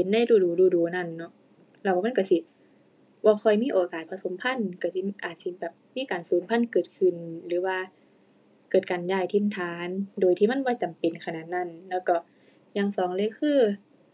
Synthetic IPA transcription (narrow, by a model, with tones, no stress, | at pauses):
he˨˦nda˧˥˨jduː˧˩duː˨˩duː˧˩duː˨˦na˧˥˨nːɔ˧˦ʔ | lɛ˧˩wa˧ma˧˥˨ka˧˩si˧˩ | bɔː˧xʰɔ˧˩jmiː˧˥˨ʔoː˨kaː˨˩t̪̚pʰa˧so˨˦mpʰa˧˥˨nka˧˩si˧ʔaː˨˩t̪̚si˧bɛː˨˩p̚miː˧˥˨kaː˨˩nsuː˨˦mpʰa˧˥˨nkɤː˨˩t̪̚kʰɯ˧˩nlɯː˨˦waː˧ | kɤː˨˩t̪̚ka˨njaː˧˩jt̪ʰi˧˩nt̪ʰaː˨˦ndoː˨jt̪ʰiː˧˨ma˧˥˨nbɔː˧˦t͡ɕa˨mpe˨nkʰa˧naː˧˩t̪̚na˧˨nlɛː˧˩˨wkɔ˧˩ | jaː˧˩ŋsɔː˨˦ŋlɤː˧˦jkʰɯː˧˥˨